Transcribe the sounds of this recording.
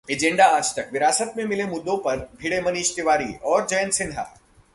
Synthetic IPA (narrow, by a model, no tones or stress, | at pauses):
eːd͡ʒẽɳɖaaːd͡ʒt̪ɐkʋɪɾaːsət̪̚mẽmɪlemʊd̪ːõpɐɾbʱiːɽemɐniːʃt̪ɪʋaːɾḭʔɔːɾd͡ʒɐjənsɪ̃nɦa̰ː